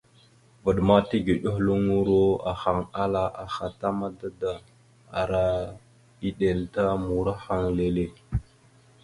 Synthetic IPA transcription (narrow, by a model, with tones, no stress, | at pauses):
və˨ɗma˦ti˦ɡi˨ɗə˦xlu˦ŋu˦ɾo˦a˨xa˨ŋa˦la˨ʔa˨xa˨ta˦ma˦da˦da˨ | a̰˨ɾa˦ | i˦ɗe˨lta˦mu˨ɾa˦xa˦˨ŋle˨le˦